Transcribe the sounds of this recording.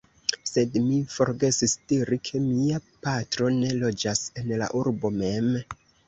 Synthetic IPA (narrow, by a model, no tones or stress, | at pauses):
se̞dmifo̞ɾɡe̞sistiɾikʰe̞miapatɾo̞ne̞lo̞d͡ʒase̞nla̰ʔuɾbo̞me̞m